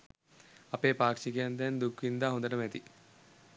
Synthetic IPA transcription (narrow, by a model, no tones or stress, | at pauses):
ɐpeːpaːkʂikɐjand̪ɛnd̪ukʰʋind̪aːɦond̪ɐʈɐmɛt̪i